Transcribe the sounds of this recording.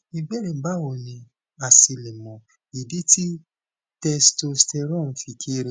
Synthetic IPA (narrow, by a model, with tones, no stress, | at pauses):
i˧bɛ˦ɾe˨ba˦o˨nĩ˧ | a˨si˧le˨mɔ̃˨ | i˨de˨˦ti˦ | tɛ˧sto˧ste˧ɾɔ̃˦˨˦fi˧kʰi˦˧ɾi˦